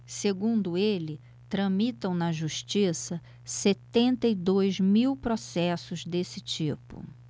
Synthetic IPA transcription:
seɡũnd̪ʊelɪ | t̪ɾɐ̃mit̪ɐ̃w̃nɐʒuʃt͡ʃisɐ | set̪ẽnt̪ɐid̪ojzmiwpɾosɛsʊzd̪esɪt͡ʃipʊ̰

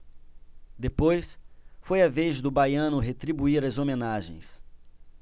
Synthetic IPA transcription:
d̪epojsfojɐvezd̪ʊbajɐ̃nʊɦet̪ɾibuiɾɐzomenaʒḛ̃j̃s

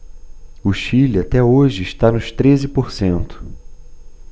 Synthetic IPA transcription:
ʊʃiliat̪ɛoʒɪːʃt̪anʊst̪ɾezɪpoɾsẽnt̪ʊ̥

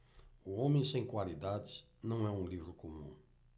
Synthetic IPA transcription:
uõmẽj̃sẽj̃kwalid̪ad̪ɪz | nɐ̃w̃ɛũlivɾʊkomũ

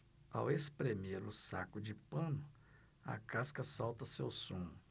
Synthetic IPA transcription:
a̰wespɾemeɾʊsa̰kʊd͡ʒɪpɐ̃nʊ | ɐ̰kaskɐsawt̪ɐsewsõ

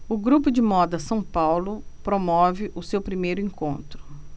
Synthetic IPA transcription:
ʊɡɾupʊd͡ʒɪmɔd̪ɐsɐ̃w̃pawlʊpɾomɔvɪʔʊsewpɾimejɾʊẽŋkõnt̪ɾʊ

